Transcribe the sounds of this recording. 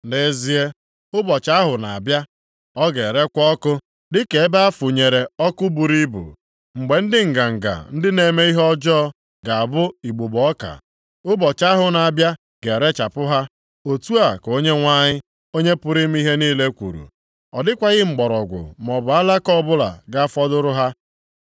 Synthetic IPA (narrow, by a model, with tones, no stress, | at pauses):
ne˨˦zi˨˦e˦ | ʊ˦bɔ˨t͡ʃa˦ɦʊ˨na˨a˨bja˦ | ɔ˦ɡe˨ɾe˦kʷɔ˦kʊ˦ | dɪ˦ke˨e˦ba˦a˦fʊ˨ɲe˨ɾe˨ɔ˦kʊ˦bu˨ɾi˦bṵ˨ | ŋ͡m̩˨ɡ͡be˨n̩˦dɪ˦ŋ̩˨ɡa˨ŋ̩˨ɡa̰˨n̩˦dɪ˦ne˨me˦i˦ɦɔ˦d͡ʒɔ˦ | ɡa˨a˨bʊ˦i˨ɡ͡bo˨bɔ˦ɔ˦ka̰˨ | ʊ˦bɔ˨t͡ʃa˦ɦʊ˨na˨a˨bja˦ | ɡe˨ɾe˦t͡ʃa˨pʊ˦ɦa˦ | o˨tu˦a˨ko˦ɲe˦ŋʷa˦ɲɪ˦ | o˦ɲe˦pʊ˦ɾi˦m˦i˦ɦe˦niː˦le˦kʷṵ˨ɾṵ˨ | ɔ˨dɪ˦kʷa˨ɣɪ˦ŋ͡m̩˨ɡ͡bɔ˨ɾɔ˨ɡʷʊ̰˨m˨ɔ˨bʊ˨a˦la˦kɔ˦˨bʊ˦la̰˨ɡa˦fɔ˦dʊ˦ɾʊ˦ɦa˦